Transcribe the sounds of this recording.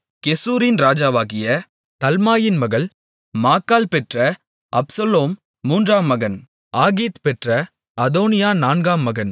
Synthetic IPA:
kɛsuːɾɪnɾaːd͡ʒaːʋaːɣɪjɐ | t̪ɐlmaːjɪnmɐɣɐl | maːkːaːlpɛʈrɐ | ʔɐpsɐloːmː | uːndraːmːɐɣɐn | aːɣiːt̪pɛʈrɐ | ɐðoːnɪjaːnaːnɡaːmːɐɣɐn

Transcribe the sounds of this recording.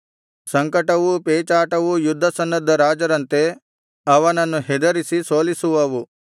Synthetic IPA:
sɐŋkɐʈɐʋupeːt͡ʃaːʈɐʋujud̪ʱːɐsɐnːɐd̪ʱːɐɾaːd͡ʒɐɾɐnt̪e | ɐʋɐnɐnːuɦɛd̪ɐɾisiso̞ːlisuʋɐʋu

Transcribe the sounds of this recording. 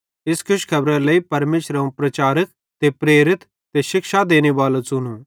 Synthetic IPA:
ɪskʰʊʃkʰɐbɾɛ̃ləipɐɾmeːʃɾãũpɾɐt͡ʃaːɾək̚ | t̪epɾeːɾɪt̪ | t̪eʃɪkʃad̪eːñeʋaːlot͡sʊnũ

